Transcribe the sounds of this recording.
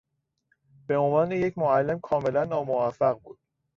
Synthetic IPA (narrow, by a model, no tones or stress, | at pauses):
b̥e̞o̞nvɒːneje̞cmoælːe̞mkʰɒːme̞lænːɒːmovæfæɣbuːd̪̥̚